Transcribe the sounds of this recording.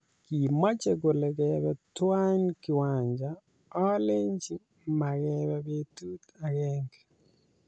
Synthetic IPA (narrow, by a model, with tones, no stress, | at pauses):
ki˨ma˦t͡ʃe˨ɡo˨le˨ɡɛbɛ˨twa˦nkɪ˨wa˨ɲd͡ʒa˨ | ɔ˦le˦ɲt͡ʃi˦ | ma˨ɡɛbɛ˦be˦tu˦ta˨ɡɛ˦ŋɡ